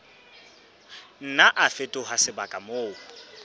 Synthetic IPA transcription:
n̩naʔafetʼʊɦasɪbakʼamoː

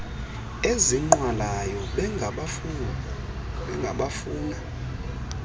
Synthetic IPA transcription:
eziŋ͡ǃwalajɔɓɛ | ɓɛŋɡʱaɓafuːna

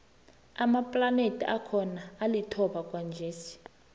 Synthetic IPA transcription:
amapʼlanetʰʼḭʔakʰɔnaːlitʰɔɓakʼwand͡ʒʱeːsi̥

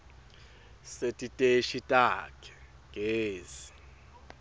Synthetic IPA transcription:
setʼitʼeʃitʼakʰʼɛ̥ | ɡ̥ʱeːzi

